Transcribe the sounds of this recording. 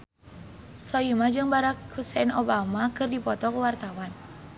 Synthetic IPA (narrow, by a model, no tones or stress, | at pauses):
soimad͡ʒɨŋbaɾak̚husɛnobamakɨrdipɔt̪ɔkuwart̪awan